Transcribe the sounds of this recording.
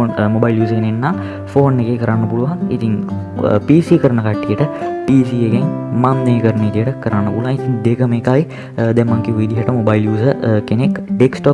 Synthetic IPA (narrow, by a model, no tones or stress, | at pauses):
mobaːiljuːskenenːaː | foːnːekekɐɾaːnɐpuɭuʋãːit̪ʰiŋ | piːsiːkɐɾnɐkaʈːijeʈɐpiːsiekeŋmamneikɐɾnit̪ijeʈɐkɐɾaːnɐpuluãːit̪ʰiŋd̪ekɐmeːkaːi | d̪emɐŋkiɦujd̪iɦaʈɐmobaːiljuːsɐkenekɖeksʈop